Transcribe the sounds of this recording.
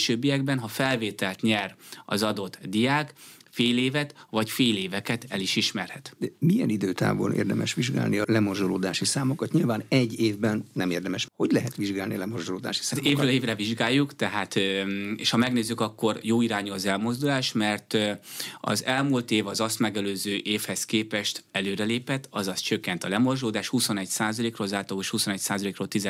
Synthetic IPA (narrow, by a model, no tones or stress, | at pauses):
ʃøːbːijɛɡ̚bɛnɦɒfɛlveːt̪ɛlt̪ɲɛrɒ̰zɒd̪o̞t̪d̪ijaːkfeːleːvɛt̪vɒcfeːleːvɛkɛt̪ɛliʃiʃmɛrhɛt̪d̪ɛmijɛ̰nid̪øːt̪a̰ːvo̰ːlḛːrd̪ɛ̰mʔɛʃʋiʒɡa̰ːlniɒlɛmorzd̪uloːd̪aːʃisaːmokɒt̪ɲilvaːnɛɟːeːvbɛnnɛmeːrd̪ɛmɛʃho̞ɟlɛɦɛt̪ʋiʒɡaːlniɒlɛmorzd̪oloːd̪a̰ːʃi̥saːt̪meːvøeːvrɛviʒɡaːjːukt̪ɛɦaːt̪ḛʃhɒmɛɡneːzːykɒkːo̞rjoːiɾaːɲuɒzɛlmo̞zd̪ulaːʃmɛrt̪ | ɒ̰zɛlmult̪eːvɒzɒst̪mɛɡɛløːzøːʔeːfhɛskeːpɛʃt̪ɛløːɾɛleːpɛt̪ːɒzɒst̪t͡ʃøkːɛnt̪ɒlɛmo̞rʒoːd̪aːʃhuso̞nɛcsaːzɒleːkrolzaːlt̪ɒoʃhuso̞nɛcsaːzɒleːkroːlt̪izɛ